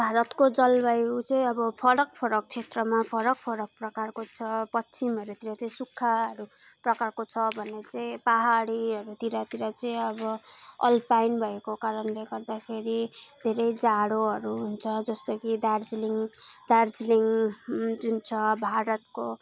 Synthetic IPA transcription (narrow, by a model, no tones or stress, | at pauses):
bʱaɾʌt̪kod͡zʌlbajut͡sʌĩʌbʌpʰʌɾʌk̚pʰʌɾʌk̚t͡sʰet̪rʌmapʰʌɾʌk̚pʰʌɾʌk̚prʌkarkot͡sʰʌpʌtsʰimʌɾut̪iɾat̪iĩsukʰːaʌɾu | prʌkarkot͡sʰʌbʱʌnet͡sʌĩpaɦaɽiɦʌɾut̪iɾat̪iɾat͡sʌĩʌbʌʌ̰lpajnbʱʌekokaɾʌnleɡʌrd̪akʰeɾid̪ʱeɾʌjd͡zaɽoɦʌɾuɦunt͡sʰʌd͡zʌst̪ʌkid̪ard͡zliŋd̪ard͡zliŋ | d͡zunt͡sʰʌbʱaɾʌt̪̚ko